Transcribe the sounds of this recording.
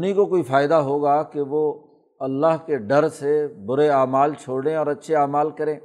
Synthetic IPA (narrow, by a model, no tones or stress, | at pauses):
ʊnɦĩkokoːifʰaːɪd̪aɦoːɡakeʋo | ɐlːaɦkeɖɐɾsebʊɾeaːmaːlt͡ʃʰoːɽẽɔːɾɐtːʃʰeaːmaːlkɐɾẽː